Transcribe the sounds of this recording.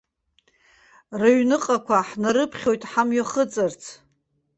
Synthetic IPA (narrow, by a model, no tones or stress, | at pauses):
raɥnɨqʼakʷʰaħnaɾɨpʰχʲo̞jtʼħamɥaχət͡sʼɨrt͡sʰ